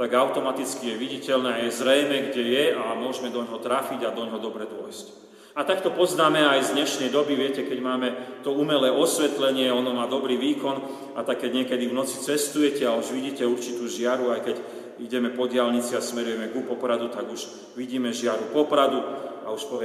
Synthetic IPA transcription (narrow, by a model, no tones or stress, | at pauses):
t̪aɡaʊt̪ɔmat̪it͡skijɛʋiɟicɛlnɛːajɛzɾɛjmɛɡɟɛjɛamʊɔʒmɛd̪ɔɲɦɔt̪ɾafiɟad̪ɔɲɦɔd̪ɔbɾɛd̪ɔjsc | at̪akt̪ɔpɔznaːmɛajzd̪ɲɛʃnɛjd̪ɔbiʋɪɛcɛkɛɟmaːmɛt̪ɔumɛlɛːɔsʋɛt̪lɛɲɪɛɔnɔmaːd̪ɔbɾiːʋiːkɔn | at̪akːɛɟɲɪɛkɛd̪ivnɔt͡si̥t͡sɛst̪ujɛcɛauʒʋiɟiːcɛuɾt͡ʃit̪uːʒɪaɾuajkɛɟ | iɟɛmɛpɔɟɪalɲit͡siasmɛɾujɛmɛɡupɔpɾad̪ut̪aɡuʒ | ʋiɟiːmɛʒɪaɾupɔpɾad̪uauʃpɔʋɪɛ